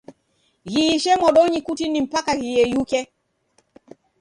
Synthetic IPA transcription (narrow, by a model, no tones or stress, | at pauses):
ɣiːʃɛmɔɗɔɲikutinim̩pakaɣijɛjukɛ